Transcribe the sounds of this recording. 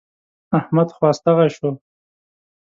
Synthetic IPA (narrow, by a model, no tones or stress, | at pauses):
ahmad̪xwɑːst̪aɣaʃo